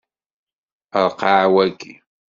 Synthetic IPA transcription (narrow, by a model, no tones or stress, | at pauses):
aqɑːwakɪ